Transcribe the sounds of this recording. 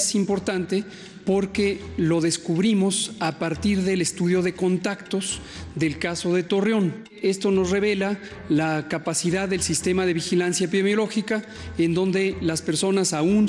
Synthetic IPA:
simpo̞ɾt̪ant̪e̞ | po̞ɾke̞lo̞ðe̞skuβɾimo̞sapaɾt̪iɾðele̞st̪uðjo̞ðe̞ko̞nt̪akt̪o̞zðe̞lkaso̞ðe̞t̪o̞reo̞n | e̞st̪o̞no̞zre̞β̞e̞la | lakapasiðaðːe̞lsist̪e̞maðe̞βixilansjapiðemjo̞lo̞xika | end̪o̞nd̪e̞laspe̞ɾso̞nasaun

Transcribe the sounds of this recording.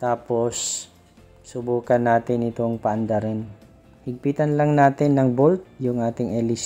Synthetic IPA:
t̪aːpo̞s | sʊbuːkɐnːaːt̪ɪnɪt̪oŋpaʔɐnd̪ɐɾɛn | hɪɡ̚piːt̪ɐnlɐŋnaːt̪ɪnːɐŋbolt̪̚jʊŋʔaːt̪ɪŋɛlis

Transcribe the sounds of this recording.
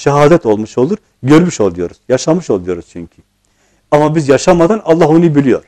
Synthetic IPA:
ʃaɦaːd̪ɛt̪o̞lˠmuʃo̞lˠuɾ | ɟøɾmyʃo̞lˠujo̞ɾuz̥jaʃamɯʃo̞lˠujo̞ɾuz̥t͡ʃʰyɲcʰi | amabizjaʃamad̪analˠːaɦonujbilʲijo̞̰ɾ̥

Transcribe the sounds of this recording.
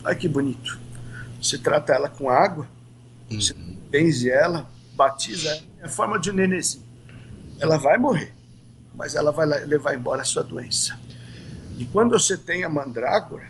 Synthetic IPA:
ɔ̰jʊkɪbunit̪ʊ̥oset̪ɾat̪ɐɛlɐkõaɡwɐ | osẽpẽzɪɛlɐ | bat͡ʃizɐɛ | ɐfɔɾmɐd͡ʒɪneneziʊ | ɛlɐvajmoɦeɾ | mɐ̰zɛ̰lɐvajlalevaɾẽbɔɾɐsuɐd̪uẽsɐ̥ | ɪkwɐ̃nd̪ʊvoset̪ẽj̃ɐmɐ̃d̪ɾa̰ɡʊɾɐ

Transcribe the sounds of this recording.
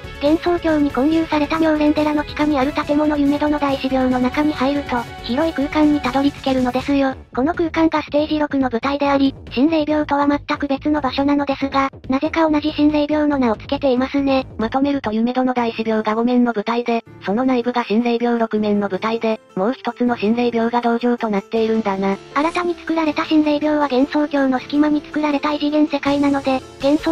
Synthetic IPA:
k̪ẽ̞ɰ̃so̞ːkʲo̞ːɲ̟ikõ̞ɰ̃jɯːsaɾe̞t̪abʲo̞ːɾẽ̞nt̪e̞ɾano̞kʲi̥kaɲʲiaɾɯ̟t̪at̪e̞mo̞no̞jɯ̟me̞d̪o̞no̞d̪aiɕibʲjo̞ːno̞nakaɲ̟ihaiɾɯ̟t̪o̞ | çiɾo̞ikɯ̟ːkãɲ̟ːit̪ad̪o̞ɾʲit͡sɨ̥ke̞ɾɯ̟no̞d̪e̞sɨjo̞ko̞no̞kɯ̟ːkãŋɡasɨ̥t̪e̞ːʑiɾo̞kɯ̟no̞bɯ̟t̪aid̪e̞aɾʲiɕĩnzeibʲjo̞ːt̪o̞βamat̪ːakɯ̟be̞t͡sɨno̞baɕo̞nano̞d̪e̞sɨɡa | naze̞kao̞naʑiɕĩnɾeibʲjo̞ːno̞nao̞t͡sɨ̥ke̞t̪e̞imasɨne̞mat̪o̞me̞ɾɯ̟t̪o̞jɯ̟me̞d̪o̞no̞d̪aiɕibʲjo̞ːɡaɡo̞mẽ̞nːo̞bɯ̟t̪aid̪e̞ | so̞no̞naibɯ̟ɡaɕĩnzeibʲo̞ːɾo̞kɯ̟mẽ̞nːo̞bɯ̟t̪aid̪e̞ | mo̞ːçi̥t̪o̞t͡sɨno̞ɕĩnzeibʲjo̞ːɡad̪o̞ːʑoːt̪o̞nat̪ːe̞iɾɯ̟̃nd̪ana | aɾat̪aɲ̟it͡sɨ̥kɯ̟ɾaɾe̞t̪aɕĩnzeibʲjo̞ːβaɡẽ̞ɰ̃so̞ːɡʲo̞ːno̞sɨ̥kʲimaɲ̟it͡sɨ̥kɯ̟ɾaɾe̞t̪aiʑiɡẽ̞ɰ̃se̞kainano̞d̪e̞ | ɡ̥ẽ̞ɰ̃so

